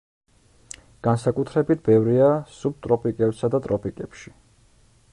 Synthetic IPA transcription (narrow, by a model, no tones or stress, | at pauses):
ɡ̥ansakʼut̪ʰɾɛbit̪̚ʰbɛvɾiasub̚t̪ʼɾɔpʰikʼɛbsad̪at̪ʼɾɔpʰikʼɛpʃi̥